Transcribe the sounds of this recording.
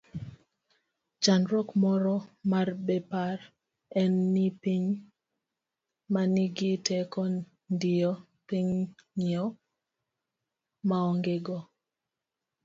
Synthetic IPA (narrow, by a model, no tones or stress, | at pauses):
t͡ʃanɾɔkmɔɾɔmarbepar | ɛnːipiɲ | maniɡitɛkɔ | ndiɔ | piɲŋiɔ | maɔŋɡeɡɔ